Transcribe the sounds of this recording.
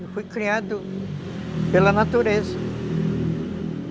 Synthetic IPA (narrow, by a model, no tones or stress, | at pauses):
fujkɾiad̪ʊ | pelɐnat̪uɾezɐ